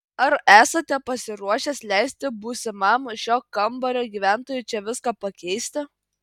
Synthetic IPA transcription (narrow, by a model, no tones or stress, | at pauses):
ɐɾæːsɐt̪ʲɛpɐsʲɪɾuɔʃʲɛːslʲɛɪsʲt̪ʲɪbuːsʲɪmɐmʃʲoːkɐmbɐɾʲoːɡʲiʋʲæˑnt̪oːjʊt͡ʃʲɛʋʲɪskɑːpɐkʲɛɪsʲt̪ʲɪ